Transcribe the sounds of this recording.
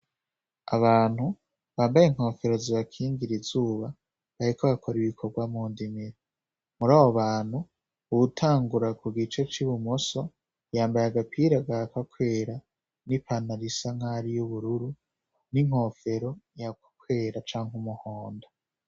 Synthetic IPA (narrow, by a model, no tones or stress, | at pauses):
a̰βaːn̥hu | βaːmbajeŋho̞ːfe̞ɾo̞ziβakʰiːŋɡiɾizuːβa | βaɾikʰoβakʰo̞ɾiβikʰo̞ɾɡwamuːndimiɾi | muɾaːβo̞βaːn̥hu | uutʰaːŋɡuɾakuɡit͡ʃet͡ʃiβumoso̞ | jaːmbajaɡapʰiɾaɡakakʰwe̞ːɾa | nipʰanaɾisaŋ̥haɾijuβuɾuɾu | niŋ̥ho̞ːfe̞ɾo̞jakḁkʰwe̞ːɾat͡ʃaːŋhumuhoːnda